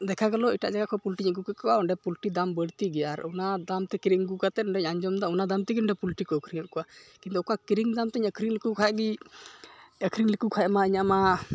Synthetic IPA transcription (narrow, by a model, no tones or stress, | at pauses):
d̪ɛkʰaɡalɔiʈa̰ʔd͡ʒaɡaʔkʰɔpulʈiɲəɡukakɔwaɔɳɖɛpulʈid̪ambəɽt̪iɡɛjaɾunad̪amt̪ɛkiɾiŋɡukat̪ɛɔɳɖɛɲaɲd͡ʒɔmd̪aunad̪amt̪iɡinɳɖɛpulʈikɔəkʰɾiŋəʔkɔʔakkint̪ɔɔkakiɾiŋd̪amt̪ɛɲəkʰɾiŋlikukʰaɛɡi | əkʰɾiŋlikukʰaɛmaiɲaʔma